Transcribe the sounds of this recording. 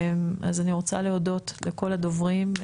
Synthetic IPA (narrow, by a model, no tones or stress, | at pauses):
ma̰zaniʁo̞t͡sa̰le̞o̞do̞t̪leko̞lad̪o̞vʁim